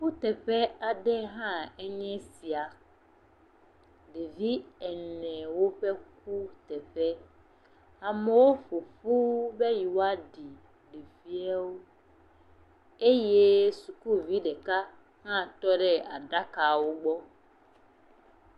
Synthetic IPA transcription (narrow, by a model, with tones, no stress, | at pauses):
ɸu˦t̪ɛ˨ɸɛ˦a˨ɖɛ˦ɦã˦ɛ˦ɲɛ̃˦si˨a˨ | ɖe˨vi˦ɛ˨nɛ̃˨wo˦ɸɛ˦k̚u˦t̪ɛ˨ɸɛ˦ | a˨mɛ̃˨wo˦ɸo˨fu˦be˦ji˨wo˦a˦ɖi˨ | ɖe˨vi˦ɛ˦wo˦ | e˦jɛ˦su˨ku˦vi˦ɖɛ˨ka˦ | hã˦˨t̪ɔ˦ɖɛ˦a˨ɖa˦ka˨wo˦ɡ͡bɔ˦